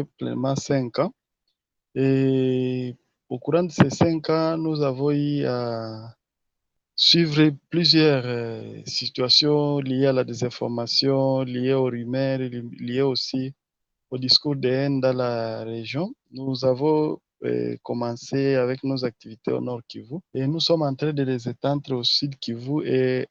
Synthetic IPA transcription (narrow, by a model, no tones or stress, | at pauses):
plɛ̰mɑ̃sɛ̃ŋkɑ̃ | e | okuʁɑ̃d̪esesɛ̃ŋkɑ̃nuzavɔ̃ia | swivʁeplyzjɛʁsit̪ɥasjɔ̃lijealad̪ezɛ̃fɔʁmasjɔ̃lijeoʁymɛʁlijeosi | od̪iskuʁd̪eɛnd̪ãlaʁeʒjɔ̃nuzavɔ̰̃ | kɔmɑ̃seavɛknozak̚t̪ivit̪ḛo̰nɔʁkivuenusɔmɑ̃nt̪χed̪elezet̪ãnt̪ɾeosyd̪kivue